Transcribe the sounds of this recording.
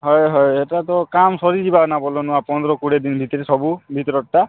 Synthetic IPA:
ɦɔjɦɔjeʈat̪ɔkamsɔɾid͡ʒibanabɔlonuapɔnd̪ɾɔkuɽed̪inbʱit̪ɔɾesɔbubʱit̪ɔɾɔʈːa

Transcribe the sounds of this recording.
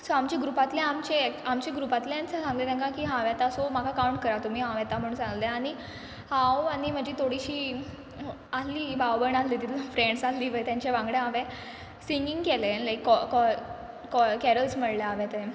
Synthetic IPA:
soamt͡ɕeɡɾupat̪lẽamt͡ɕeamt͡ɕeɡɾupat̪leant͡sasãŋɡlet̪ãŋkakiːɦãʋat̪asomakʰakauɳʈ̚kəɾat̪um̤iːɦãʋjɛt̪am̤əɽũnsãŋɡleaɽ̃i | hãwaɽ̃im̤əd͡ʑet̪ʰoɽiɕiː | asliːbawbəɳaslit̪it̪fɾeɳɖsasliːʋəjt̪jãɲt͡ɕeʋãŋɡɽẽɦaʋẽ | siŋɡiŋɡkelelajkːɔkɔ | kɔkɛɾəlsməɽleaʋẽt̪ẽ

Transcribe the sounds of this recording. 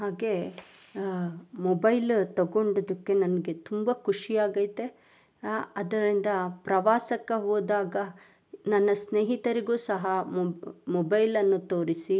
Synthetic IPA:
ɦaːɡe̞ | mɔbɐjlt̪ɐɡoɳɖod̪ɐkːe̞nɐnɐɡe̞t̪umbɐkʰuʂijaːɡɐjt̪e | ɐd̪ɐɾind̪ɐpɾɐʋaːsɐkːɐɦoːd̪aːɡɐ | nɐnːɐsneːɦit̪ɐɾiɡuːsɐɦɐ | mɔbɐjlɐnːut̪oːɾisi

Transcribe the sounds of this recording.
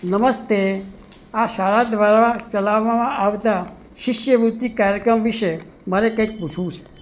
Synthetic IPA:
nəməst̪e | aʃaɾad̪ʋaɾat͡ʃəlaʋːamãʔaʋt̪a | ʃɪʃjəʋut̪ːikaɾjəkɾəmʋiʃe | məɾekəjk̚put͡ʃʰũt͡ʃʰe̥

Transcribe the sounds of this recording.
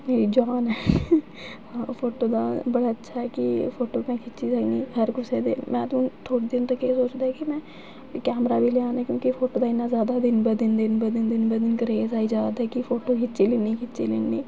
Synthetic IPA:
eːd͡ʒaːnɛː | ãpʰoːʈoːd̪a̰ːbəɽaːətːʃʰaɦɛːkɪpʰoːʈoːmɛ̃ːkʰɪt͡ʃizaniːɦəɾkʊseːd̪ḛːmʔɛ̃ːt̪ːnt̪ʰoːɽiːd̪ɪnt̪əkesoːt͡ʃd̪aːɦɛkimɛ̃ː | kɛːmɾaːbʱiːleãːnɛːkjõːkipʰoːʈoːd̪aːɪnːaːzjaːd̪aːd̪ɪnbəd̪ɪnd̪ɪnbəd̪ɪnd̪ɪnbəd̪ɪnkəɾeːzaːiːd͡ʒaːd̪ɦɛːkipʰoːʈoːkʰɪt͡ʃeːlɪniːkʰɪtːt͡ʃeːlɪnːiː

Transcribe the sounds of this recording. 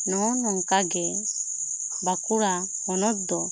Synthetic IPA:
nɔnɔŋkaɡɛ | bakuɾa | ɔnɔt̪̚d̪ɔ

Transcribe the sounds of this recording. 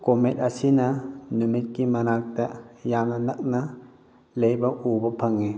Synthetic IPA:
komet̚asinɐnumit̚kimɐnak̚tɐjamnɐnɐk̚nɐ | lejbɐʔubɐpʰɐŋi

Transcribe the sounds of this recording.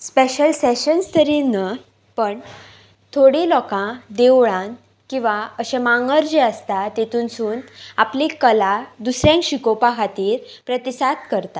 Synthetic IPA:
speɕəlseɕənst̪əɾinə | pəɳ | t̪ʰoɽilɔkãd̪ewɭãn | kĩw̃ʋaəɕẽmaŋɡəɾd͡ʑeəst̪at̪et̪ʰuːnsuːnaplekəlad̪usɾjãŋkɕikopakʰat̪iːɾpɾət̪isat̪kəɾt̪a

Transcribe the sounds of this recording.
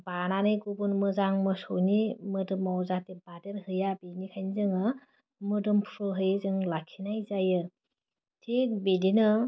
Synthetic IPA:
bananɯjɡubunmɯzaŋmɯsonimɯdɯmawzatebadeɾhɯjabenikʰajnzɯŋɯ | mɯdɯmpʰɾɯɦɯjzɯŋlakʰinajzajɯ | tʰibedinɯ

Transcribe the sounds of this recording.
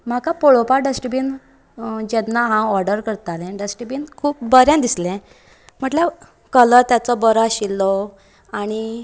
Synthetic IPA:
m̤akapoɭopaɖəsʈibin | d͡ʑɛnːaɦãɔɾɖəɾkəɾt̪alɛ̃ɖəsʈibinkʰuːp̚bəɾjãnd̪islɛ̃ | m̤əʈlja | kələt̪jat͡sɔbəɾaɕilːɔ | aɽ̃i

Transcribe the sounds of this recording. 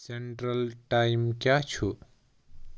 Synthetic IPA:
seɳʈɾəlʈaimkjat͡ʃʰu

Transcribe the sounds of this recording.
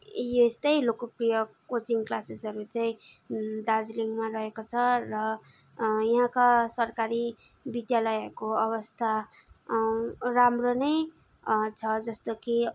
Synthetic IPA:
jest̪ʌjlokoprijʌkot͡siŋklasesɦʌɾut͡saĩ | d̪ard͡zliŋɡmarʌɦekot͡sʰʌrʌ | jʌɦãkasʌrkaɾi | bid̪jalʌjʌekoʌβʌst̪ʰa | ramronʌj | t͡sʰʌd͡zʌst̪oki

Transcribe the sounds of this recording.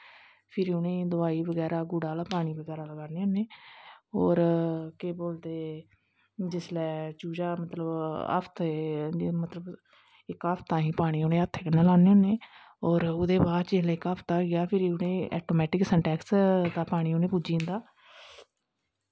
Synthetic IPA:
pʰɪɾʊnẽːd̪ʊaːiːbəɡɛːɾaːɡʊɽaːlaːpaːɽ̃iːbəɡɛːɾaːləɡaːneːonːeːɔːɾkeːboːlt̪eː | d͡ʒɪslɛːt͡ʃuːd͡ʒaːmət̪ləbə̰pʰt̪emət̪ləb | ɪkaːpʰt̪ãːɦĩːpaːɽ̃iːonẽːət̪ʰːeːkəneːlaːneːoneː | ɔːɾʊd̪eːbaːd̪t͡ʃɪslɛːɪkaːpʰt̪aːɡɪjaːpʰɪɾʊnẽːɛːʈoːmɛːʈɪksɛ̃ːɳʈɛːkst̪aːpaːɽ̃iːonẽːpud͡ʒiːnd̪aː

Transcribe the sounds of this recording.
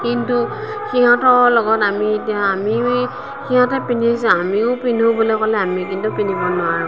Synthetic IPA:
kintu | xiɦɔ̃tɔlɔɡɔtamietijaːmi | xiɦãtɛpinisãamiʊ̃pinobɔlɔjkɔlɛamik̬intupinibɔnʊaɹu

